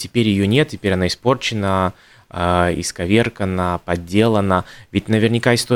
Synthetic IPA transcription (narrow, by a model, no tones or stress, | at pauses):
tʲɪpʲeɾʲjɪjonʲet̪̚tʲːɪpʲeɾʲɐnaɪspo̞rt͡ɕɪnə | ɪ̰skɐvʲe̞rkənəpɐdʲːe̞lˠənəvʲɪtʲnəvʲɪrnʲɪkaɪst̪o